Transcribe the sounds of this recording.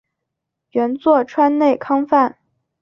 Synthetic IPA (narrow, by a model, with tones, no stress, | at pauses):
ɥɛ˧˥nt͡swɔ˥˩ʈ͡ʂʰwa˥nne˥˩ɪkʰɑ˥ŋfa˥˩n